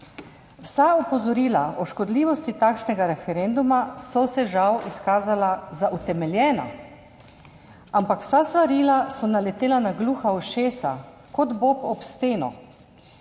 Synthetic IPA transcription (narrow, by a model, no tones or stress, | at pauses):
wsaɔpɔzɔɾiːlaɔʃkɔd̪liːʋɔst̪it̪akʃnɛɡaɾɛfɛɾend̪umasɔsɛʒawiskaːzalazaʔut̪ɛmɛljɛːna̰ | ampakw̥sast̪ʋaɾiːlasɔnalɛt̪eːlanaɡluːxawʃeːsa̰ | kɔd̪bopɔpst̪eːnɔ̰